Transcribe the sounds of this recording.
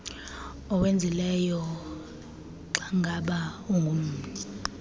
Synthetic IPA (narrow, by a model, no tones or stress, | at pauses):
ɔwend͡zʱilɛjɔ | ǁaŋɡʱaɓauŋɡʱum̩ːi